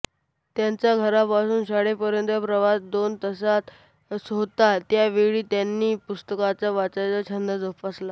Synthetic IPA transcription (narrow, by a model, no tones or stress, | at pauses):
t̪jaɲt͡saɡʱəɾapasuːnɕaɽepəɾjənt̪əpɾəʋasd̪ont̪əsat̪ | sɦot̪at̪jaʋeɭiːt̪janːiːpust̪əkat͡saʋat͡sajt͡sət͡ɕʰənd̪əd͡zopasla